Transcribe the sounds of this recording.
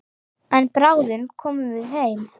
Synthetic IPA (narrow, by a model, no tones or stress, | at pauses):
ɛnpɾawðʏmkʰɔːmʏmvɪðɦejm